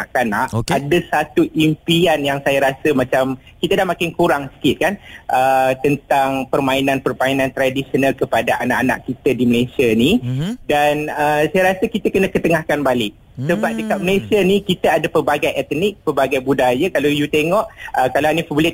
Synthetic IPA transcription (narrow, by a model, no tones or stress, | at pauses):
aʔkanaʔadasat̪uʔimpianjaŋsajaɾasəmãt͡ʃam | kit̪adahmakɪnkuɾaŋsə̥kɪt̪̚kanʔət̪ənt̪aŋpərmainanpərmainãnt̪ɾadisionalkəpadaʔanaʔana̰ʔkit̪ədiməlesianidanəsajaɾasəkit̪akənə̃kət̪əŋahkanbalɪʔ̚ | səbap̚dəkat̪̚məlesianikit̪aadapərbaɡajʔɛt̪nɪk̚pərbaɡajbudajakalawjut̪eŋɔʔəkalaanifəbulɪt̪̚